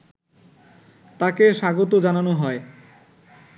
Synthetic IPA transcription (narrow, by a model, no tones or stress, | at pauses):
t̪akeʃaɡot̪̬od͡ʑananoɦɔe